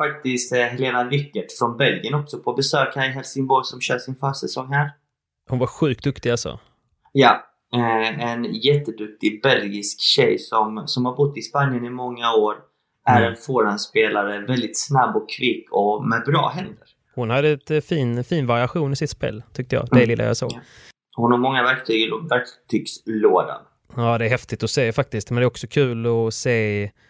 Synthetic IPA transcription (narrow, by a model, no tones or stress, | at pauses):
fak̚t̪ɪst̪ɦɛleːnavɪkːəʈfɾɔnbɛlɡənɔksɔpʰɔbɛsøːkaɾɪɦɛlsɪŋbɔjsɔmɕœːʂɪnfœːʂɛsɔŋhæːɾ | hʊnvaɾɧʉ̟ːkt̪̚d̪ɵkt̪ɪɡalsɔ̰ | jɑ | ɛnjɛt̪ːəd̪ɵk̚t̪ɪbɛlɡɪskɕɛjsɔmsɔmhaɾbʊt̪ːɪspanjənɪmɔŋːaoːɾ | ʔæɾɛnfoːɾanspeːlaɾəvɛld̪ɪt̪snabːɔkʰːviːkʰɔmɛd̪bɾɑ̰ːɦɛnd̪əɾ | hʊnhad̪ːəɛt̪fiːnfiːnvaɾɪaɧuːnɪsɪt̪spḛːlt̪ʰʏkt̪əjɑ̰ːd̪ɛlɪlːa̰jɑ̰ːso̰ːɡ | hʊnhaɾmɔŋːavæɾk̚t̪ʰyːɡvæɾk̚t̪ʰyːɡsloːd̪a̰n | aːd̪ɛæɾhɛft̪ɪt̪ɔseːfak̚t̪ɪst̪mɛnɛæɾɔksɔkʰʉ̟ːlɔseː